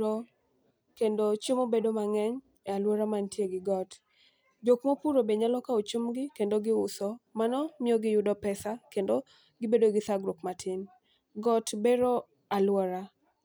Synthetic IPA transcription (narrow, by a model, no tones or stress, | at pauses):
o | kendot͡ʃemobedomaŋɛɲ | ɛalwɔɾamantjeɡɪɡɔt | d͡ʒokmopuɾobeɲalɔkaot͡ʃumɡɪkendoɡɪʊsɔmanɔmɪɔɡɪjʊdɔpɛsakendo | ɡɪbedoɡɪθaɡɾokmatʰɪn | ɡɔtbeɾɔ | alwɔɾa